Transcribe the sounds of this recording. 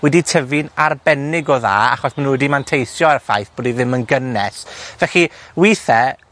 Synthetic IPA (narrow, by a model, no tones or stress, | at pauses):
wɛditʰəvɨnarbɛnɪɡɔða̰ːa̰χɔsmanuwɛdimantʰejsjɔaɾəfa̰jθb̥oːdiðɪmənɡənɛsvɛɬiwiːθɛ